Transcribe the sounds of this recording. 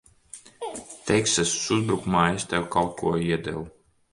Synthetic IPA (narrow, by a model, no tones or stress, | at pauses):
t̪ɛjksɛssuzbɾukmaːjast̪ʲɛwkalˠkʰuɔiɛd̪ɛ̰lˠ